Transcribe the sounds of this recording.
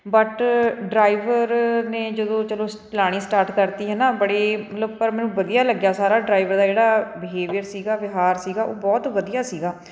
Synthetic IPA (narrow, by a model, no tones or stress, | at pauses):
bəʈɖɾaːɪʋəɾnẽːd͡ʒəd̪õːt͡ʃəlõːpɪlaːɽ̃iːsʈaːɾʈkəɾt̪iːɦɛːnaːbəɽeːmət̪ləb̚pəɾmɛ̃ːnũːʋəd̪ijaːləɡjaːsaːɾaːɖɾaːɪʋəɾd̪aːd͡ʒeːɽaːbɪɦeːʋɪjəɾsiːɡaːʋɪɦaːɾsiːɡaːʔoːbɔːt̪ʋəd̪ijaːsiːɡaː